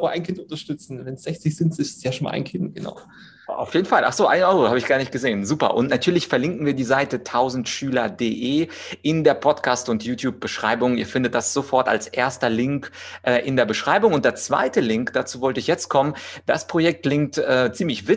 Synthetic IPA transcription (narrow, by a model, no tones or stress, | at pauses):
aːbɐʔa̰ɪnkʰɪntʊntɐʃtʏt͡sn̩vɛnsz̥ɛçt͡sɪçz̥ɪntɪssjaːʃonmʔa̰ɪnkʰɪntɡ̥əna̰ʊ | ʔa̰ʊfjeːdn̩falʔa̰χz̥oːʔaɪnʔɔʏʁohaːbəɪçɡ̥aːɐnɪçt̚ɡ̥əzeːnzuːpɐ̰ʔʊntnatʰyːɐlɪçfɛɐlɪŋkn̩viːɐdiːzaɪtətʰaʊzn̩tʃyːlɐdeːʔeː | ʔɪndeːɐpʰɔtkʰaːstʊntjuːtjuːp̚b̥əʃʁ̥a̰ɪbʊŋiːɐfɪndət̚d̥asz̥ofɔɐta̰lsʔḛːɐstɐlɪŋkʔɛːʔɪndeːɐbəʃʁ̥aɪbʊŋʊntd̥eːɐt͡sv̥a̰ɪtəlɪŋkd̥at͡suːvɔltəɪçjɛt͡stkʰɔmənd̥aspʁ̥ojɛk̚tʰlɪŋk̚tʔɛːt͡siːmlɪçvɪ